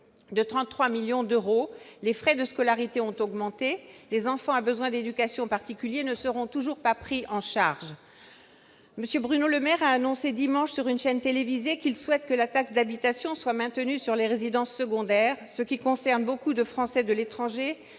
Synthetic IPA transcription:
d̪ət̪χɑ̃t̪ːχwamiljɔ̃d̪øʁolefχɛd̪əskɔlaʁit̪eɔ̃t̪ɔɡmɑ̃t̪elezɑ̃fɑ̃abəzwɛ̃d̪ed̪ykasjɔ̃paʁt̪ikʲyljenəsəʁɔ̃t̪uʒuʁpapχiʔɑ̃ʃaʁʒ | məsjøbʁynoləmɛʁaːnɔ̃sed̪imɑ̃ʃsyʁynʃɛnt̪elevizekilswɛt̪kəlat̪aksd̪abit̪asjɔ̃swamɛ̃t̪ənysyʁleʁezid̪ɑ̃sːəɡɔ̃d̪ɛːʁsəkʲikɔ̃sɛʁnbokud̪əfχɑ̃sɛd̪əlet̪χɑ̃ʒe

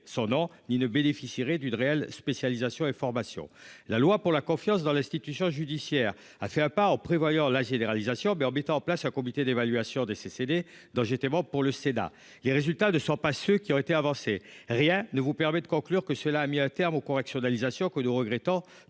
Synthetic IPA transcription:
sɔ̃nɔ̃ninəbenefisiʁɛd̪ynʁeɛlspesjalizasjɔ̃efɔʁmasjɔ̰̃lalwapuʁlakɔ̃fjɑ̃s̬d̪ɑ̃lɛ̃st̪it̪ysjɔ̃ʒyd̪isjɛːʁ | afɛɛ̃paɑ̃pχevwajɑ̃laʒeneʁalizasjɔ̃mɛɑ̃mɛt̪ɑ̃ɑ̃plasɛ̃kɔmit̪ed̪evalɥasjɔ̃d̪esesed̪e | d̪ɑ̃ʒet̪ɛmɑ̃puʁləsena̰ | leʁezylt̪anəsɔ̃pasøkʲiɔ̃tet̪eavɑ̃seʁjɛ̃nəvupɛʁmɛd̪əkɔ̃klyʁkəsəlaːmiɛ̃t̪ɛʁmokɔʁɛksjɔnalizasjɔ̃kənuʁəɡʁɛt̪ɔ̃

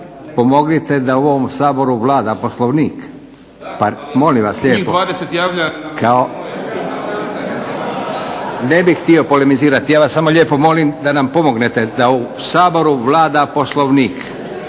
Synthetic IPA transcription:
po̞mo̞ɡnit̪ed̪auoomsaːbo̞ɾuʋlaːd̪aposlˠoʋniːk | pamo̞limʋasʎeːdpoaːd̪eset̪jaːʋʎakʰao | ne̞bixxt̪io̞polemiziːɾat̪ijaːʋasːamo̞ʎeːpo̞mo̞limd̪anampo̞mo̞ɡnet̪e̞d̪au | saːbo̞ɾuʋlaːd̪apo̞slˠoʋniːk

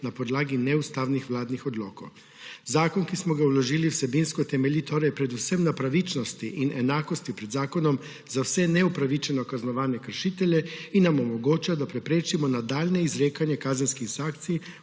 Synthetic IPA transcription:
napɔd̪laːɡinɛust̪aːwnixʋlaːd̪nixɔd̪lɔ̰ːko̰w | zaːkɔnkismɔɡawlɔʒiːliwsɛbinskɔt̪ɛmɛlit̪oːɾɛjpɾɛd̪usɛmnapɾaʋit͡ʃnɔst̪iʔinɛnaːkɔst̪ipɾɛd̪zaːkɔnɔm | zawsɛnɛupɾaʋit͡ʃɛnɔkaznɔʋaːnɛkəɾʃiːt̪ɛljɛinːamɔmɔɡoːt͡ʃad̪apɾɛpɾeːt͡ʃimɔnad̪aːlnɛizɾeːkanjɛkaːzɛnskisakt̪sij

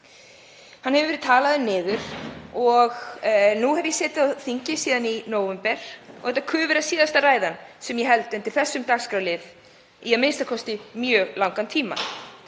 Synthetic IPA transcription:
hanhɦɛvʏvɛɾɪt̪ʰaːlaðʏnɪːðʏɾ̥ɔɣnuhɛvjɛsɛːt̪ɪawθiɲcɪsiːðaninoːwvɛmpɛɾ̥ɔ̰ɣhɛt̪akʰʏːvʏɾasiːðast̪araːjðansɛmjɛɦɛlt̪ɛnt̪ɪɾ̥θɛsːʏmt̪axskɾawlɪð | iɛðmejnst̪akʰɔst̪ɪmjœːɣlawŋkant̪ʰiːma̰

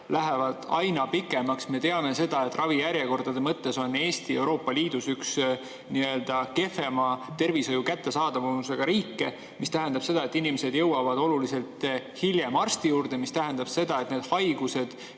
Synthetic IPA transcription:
læɦevɑd̪̥ɑjnɑpikːˑe̞mɑksme̞t̪e̞ɑme̞se̞d̪̥ɑe̞t̪ːˑrɑvijæɾjeko̞rd̪̥ɑd̪e̞mɤt̪ːe̞so̞nːe̞ːst̪ie̞wɾo̞ːpːɑliːd̪̥usyks | niø̞ld̪̥ɑke̞fe̞mɑt̪e̞rvisojukæt̪ːe̞sɑːd̪̥ɑvuuse̞ɡ̥ɑɾiːkːe̞ | mist̪æɦe̞nd̪ɑb̥se̞d̪ɑe̞t̪ːˑinimese̞d̪̥jɤwɑvɑd̪o̞lulise̞lt̪hilje̞mɑrst̪ijuːrd̪̥e̞mist̪æɦe̞nd̪ɑb̥se̞d̪ɑe̞t̪ne̞ːd̪̥hɑjɡ̥use̞d̪̥

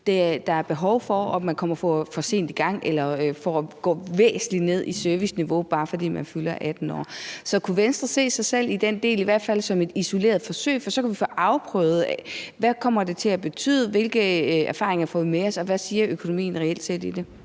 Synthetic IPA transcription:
d̥ed̥ɑ̈æɐb̥e̝ɦɒʊfɒ̽ɒmænkʰɒ̽m̰ɐfɒfɒ̽se̝̰ːnd̥iɡ̥ɑ̈ŋ̰elɐøfɒɒɡ̥ɔ̰ːʋḛːsn̩lid̥ne̝ð̞̰ˠisøɐʋisniʋo̝b̥ɑ̈ːfɒ̽d̥ḭːmænfylɐʔæd̥n̩ɒ̰ːsɒ̽kʰuʋensd̥ʁɐse̝̰ːsɑ̈ɪsel̰id̥en̰d̥e̝̰ːliʋæɐ̰d̥fæl̰sɒ̽me̝d̥iso̝le̝̰ːɐð̩ˠfɒ̽sø̰ɪ̰fɒ̽sɒ̽kʰæʋifɒʔɑ̈ʊpʰʁœ̰ʊð̞̩ˠɛʋækʰɒ̽m̰ɐd̥e̝t͡sʰe̝læb̥e̝t͡sʰy̰ːðˠəʋe̝lɡ̥əæɐfɑ̈ːʁeŋɐfɔmeɒ̽sɒ̽ʋæsiːɐʔøkʰo̝no̝mḭːn̩ʁɛeld̥se̝̰ːd̥id̥e

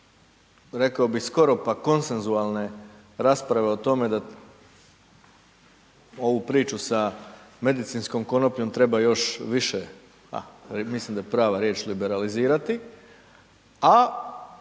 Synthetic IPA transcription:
ɾe̞kaobixsko̞ɾo̞pako̞nse̞nzuaːlˠne̞ | ɾaːspɾaʋe̞o̞t̪o̞me̞d̪a | o̞ʋupɾiːt͡ʃusame̞d̪it̪sinsko̞mko̞no̞pɲo̞mt̪ɾe̞bajo̞ʃʋiʃe | a̰mislimd̪ajepɾaːʋaɾjeːt͡ʃlibe̞ɾaliziːɾat̪i | a

